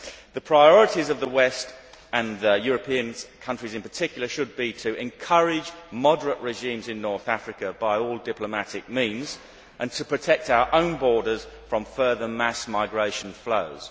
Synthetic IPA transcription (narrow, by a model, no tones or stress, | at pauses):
ðəpʰɹ̥aɪɔɹɨtizʌvðəwɛst | ə̃nðəjʊːɹəpʰĩə̃nkʰʌ̃nt͡ʃɹ̥izɨ̃npətʰɪkjl̩ˠəʃəd̚bitʰɨɛ̃nkʰʌɹɪd͡ʒmɒdəɹəʔɹɪʒĩmzɪ̃nːɔɹθæfɹɨkəbaɪɔlˠdɪpləmætɪk̚mĩnz | ʔə̃ntʰəpʰɹ̥ɨtʰɛk̚taʊə˞ʔə̃ʊ̃nbɔɹɾəz̥fɹə̃ɱfɜːðəmasmaɪɡɹeɪʃə̃nfloʊz̥